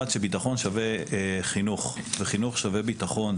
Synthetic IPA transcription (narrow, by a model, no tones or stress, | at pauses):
at̪ʃebitaχo̞nʃaveχinuχveχinuχʃavebitaχo̞n